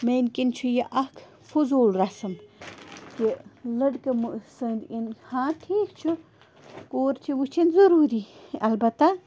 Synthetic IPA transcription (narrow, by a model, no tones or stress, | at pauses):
menkint͡ʃʰujɐʔɐkʰ | fuzuːlɾɐsɐm | kilɐɖkɐmusɨːnd̪inhãːʈʰiːkt͡ʃʰu | koːɾt͡ʃʰiʋut͡ʃʰinzɐɾuːɾiɐlbɐt̪ːɐ